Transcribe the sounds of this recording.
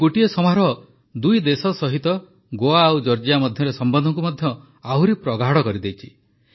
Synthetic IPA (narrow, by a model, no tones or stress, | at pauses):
uʈiesɔmaɾɔ | d̪ujd̪esɔsɔɦit̪ɔ | ɡoaːwd͡ʒɔɾd͡ʒijamɔd̪ʱjɔɾesɔmbɔnd̪ʱɔŋkumɔd̪ʱjɔ | auɾipɾɔɡaɦɽɔkɔɾid̪ejt͡ʃʰi